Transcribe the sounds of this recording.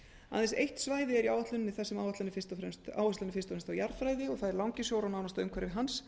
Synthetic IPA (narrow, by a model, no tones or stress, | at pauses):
a̰ðɛnsejht̪svaːjðɪɛɾiawat̪lʏnnːɪθɛsːɛmawvat̪lanɪfɪst̪ɾɛmst̪a̰wast̪lanɪfɪ̥nst̪ɔfɾɛmst̪awjaɾfɾaːjðɪɔɣθaðɛɾlawŋcɪsjowɾanawnast̪aʏmkʰvɛɾɪvɪɦans